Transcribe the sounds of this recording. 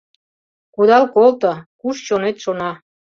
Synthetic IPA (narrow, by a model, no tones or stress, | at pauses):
kud̪ɑlkolt̪əkuʃt͡ɕonet̪ʃonɑ